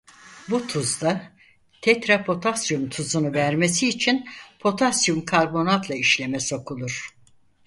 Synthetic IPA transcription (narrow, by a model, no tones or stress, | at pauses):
but̪ʰuzd̪a | t̪ʰɛt̪ɾapʰo̞t̪ʰasjumt̪ʰuzunuvæɾmes̬iːt͡ʃʰinpʰo̞t̪ʰasjumkʰaɾbo̞nat̪ʰlˠaiʃlʲemɛso̞kʰulˠuɾ̥